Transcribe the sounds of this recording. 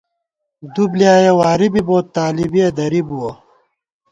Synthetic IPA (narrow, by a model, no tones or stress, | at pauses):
d̪ublijaːjewaːɾibiboːt̪ːaːlibied̪ɐɾibuwo